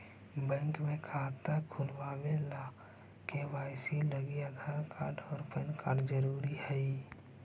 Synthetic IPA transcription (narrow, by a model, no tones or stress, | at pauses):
bɛ̃ŋkmẽkʰaːt̪akʰulʋaːwela | kewaːjsiləɡiad̪ʱaɾkaːɖɔːɾpənkaːɖd͡ʒəɾuːɾihɛi